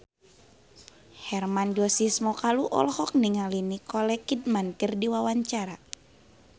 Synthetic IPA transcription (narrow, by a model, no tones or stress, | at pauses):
hɛrmand͡ʒɔsismɔkaluʔɔ̰lhɔk̚niŋalinikɔlɛkid̚mant̪irdiwawaɲt͡ʃaɾa